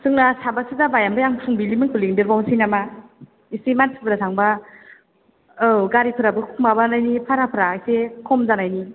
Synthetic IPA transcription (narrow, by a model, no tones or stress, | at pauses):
sʰɯŋnasabasidabajambajaŋpʰuŋbilimɯŋkʰuliŋdɯɾbawsinama | isimansʰipʰɯɾasʰaŋba | ɯɡaɾipʰɯɾabɯkʰukmabanajnipʰaɾapʰɯɾajsekʰɔmzanajni